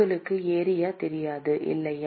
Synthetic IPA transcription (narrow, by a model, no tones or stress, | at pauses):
ɐɭɯkːɯeːɾɪjaːt̪ɛɾɪjaːðɯʔɪ̰lːɐj